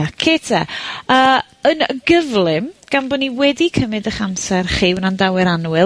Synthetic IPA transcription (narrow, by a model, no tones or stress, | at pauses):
akʰeːtʰɛəː | ənəɡəvlˠɪmɡ̥anbɔniwɛdikʰəmɨdəχamsɛrχiwnandawɛɾanwɪ